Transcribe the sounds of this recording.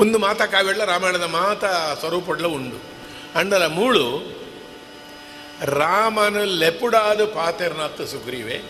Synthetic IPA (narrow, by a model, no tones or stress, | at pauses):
ond̪umaːt̪ɐkaːʋɐɽlɐɾaːmeːnɐd̪ɐmaːt̪ɐsʋɐɾuːp̬ɔɽlɐuɳɖṵ | ɐɳɖɐlɐmuːɭu | ɾaːmɐnɐlepuɽaːd̪upaːt̪eɾnaːt̪ːusuɡɾiːʋḛ